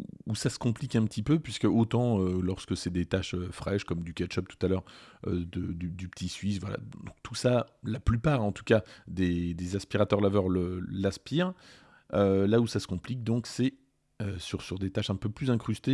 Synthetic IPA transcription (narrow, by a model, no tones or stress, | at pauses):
usasə̥kɔ̃plikɛ̃pət̪ipøpɥiskəot̪ɑ̃ølɔʁskəsɛd̪et̪aʃøfχɛʃkɔmd̪ykʲat̪ʃɔp̚t̪u̥t̪alœʁø̰d̪əd̪yd̪ypət̪ʰisɥisvwala̰d̪ɔ̃k̚t̪ʰusalaplypaːʁɑ̃t̪u̥kad̪ed̪ezaspiʁat̪œʁlavœʁləlaspiʁ | ølausasə̥kɔ̃plik̚d̪ɔ̃ksɛ | øsyʁsyʁd̪et̪aʃɛ̃pøplyzɛ̃kχyst̪e